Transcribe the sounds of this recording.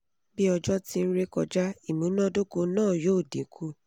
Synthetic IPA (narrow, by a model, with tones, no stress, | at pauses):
bi˦ɔ˧d͡ʒɔ˦ti˦n̩˦ɾe˦kɔ˧d͡ʒa˦i˨mũ˨˦nã˦do˦ko˧nãː˦˨joː˦˨dḭ̃˨˦kʰu˦